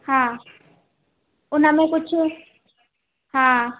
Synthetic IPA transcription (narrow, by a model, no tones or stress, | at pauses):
ha | ʊnamɛkʊt͡ʃʰi | ha